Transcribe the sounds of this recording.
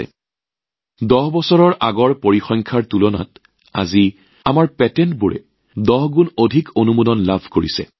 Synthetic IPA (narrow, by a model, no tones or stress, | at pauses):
ɛ̰ | dɔɦbɔsɔɹɔɹʔaɡɔɹpoɹixɔŋkʰaɹtulɔna̰t | a̰zi | amaɹpɛtɛntbuɹɛ̰ | dɔɦɡunodʱikonumodɔnlabʱkoɹisɛ̰